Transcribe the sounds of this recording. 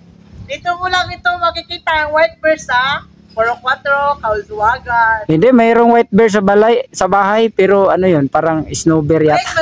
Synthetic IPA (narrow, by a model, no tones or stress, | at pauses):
d̪it̪okʊlaŋɪt̪oŋmɐɡ̚kɪkiːt̪aɐŋwajt̪̚bɛɹsa | poɾoŋkwat̪ɾokɐʊdʊwaːɡanhɪnd̪ɛmɛɾoŋwajt̪̚bɛɹs̬ɐbalajsɐbaːɦajpɛɾoʔɐnojonpaːɾaŋɪsnobɛɾja